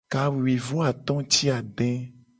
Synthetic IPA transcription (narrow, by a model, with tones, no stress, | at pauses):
ka˨wi˨wi˨vo˦a˨t̪ɔ̃˦t͡ʃi˦a˨ɖɛ̃˦